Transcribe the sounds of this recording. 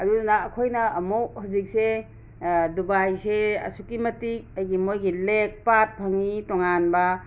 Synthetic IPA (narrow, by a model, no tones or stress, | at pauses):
ɐɾunaːkʰojnɐːmowhazik̚se | dubajseɐ̰sukimɐtik̚ajɡimojɡilek̚pat̚pʰaŋitoŋanba